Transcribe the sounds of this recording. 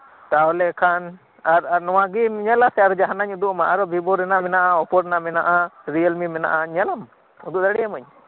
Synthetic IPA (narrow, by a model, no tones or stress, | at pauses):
t̪aɔlɛkʰan | aɾaɾnɔwaɡimɲɛlasɛaɾd͡ʒaɦanaɲud̪uʔmaʔaɾɔbibɔɾɛnamɛnaʔaɔpɔɾɛnamɛnaʔaɾiəlmimɛna̰ʔaɲɛlam | ud̪uʔd̪aɽɛjamaɲ